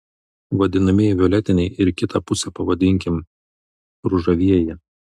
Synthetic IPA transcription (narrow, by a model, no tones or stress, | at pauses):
ʋɐd̪ʲɪnɐmʲɪʋʲɪɔlʲɛt̪ʲɪnʲɛɪʔɪɾkʲɪt̪ɐpʊsʲɛpɐʋɐd̪ʲɪŋʲkʲɪm | ɾʊʒɐʋʲiɛjɛ